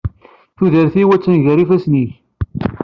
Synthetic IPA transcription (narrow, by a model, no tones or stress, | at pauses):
θuðəɾθiwæt͡sːənʝəɾifæsniç